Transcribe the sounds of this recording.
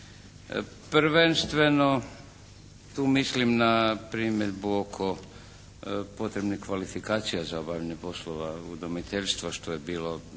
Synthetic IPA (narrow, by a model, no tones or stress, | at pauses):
pɾʋenst̪ʋe̞no | t̪uːmislimnapɾiːmed̪buokʰo | po̞t̪ɾebnixkʋalifikaːt̪sijazaobavʎaɲepo̞sloʋaud̪omit̪eʎʲst̪ʋaʃt̪ojebiːlo